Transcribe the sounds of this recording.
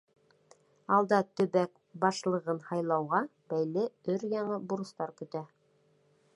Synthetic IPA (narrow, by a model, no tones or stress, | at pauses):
ɑlˠd̪ɑt̪ɵ̆βæk | bɑʃlˠɤ̆ʁɤnhɑjlˠɑwʁɑ | bæjlɘɵɾjɑɴɤbuɾɤ̆st̪ɑɾkɵ̆t̪æ